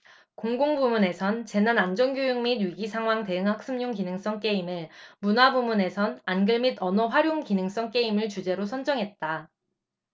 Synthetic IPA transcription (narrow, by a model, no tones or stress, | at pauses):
koŋɡoŋbumune̞sʰʌnt͡ɕe̞nanand͡ʑʌnɡjojuŋmidɥiɡisʰaŋɦwaŋte̞ɯŋɦak̚s͈ɯmɲuŋkinɯŋs͈ʌŋk͈e̞imɯɭmunwabumune̞sʰʌnanɡɯɭmidʌnʌɸwaɾjoŋkinɯŋs͈ʌŋk͈e̞imɯɭt͡ɕud͡ʑe̞ɾosʰʌnd͡ʑʌŋɦe̞t̚t͈a